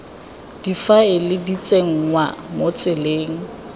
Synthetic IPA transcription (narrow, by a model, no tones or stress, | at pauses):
d̥ifaɪlɪdit͡sʼeŋ̩ŋwamot͡sʼɪleːŋ̩